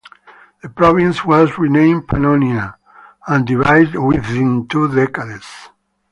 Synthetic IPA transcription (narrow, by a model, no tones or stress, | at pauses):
ð̥əpɾɔvĩnswɔzɹinẽɪ̃mpʰa̰nonia | ãnd̪ivajdwiðĩnt̪ʰuðɛkaðes